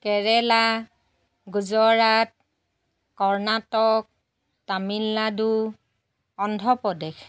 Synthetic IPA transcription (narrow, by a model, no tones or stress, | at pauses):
kɛɹɛla | ɡuzɔɹat̚ | kɔɹnatɔk̚ | tamilːadu | ɔndʱɔpɔdɛx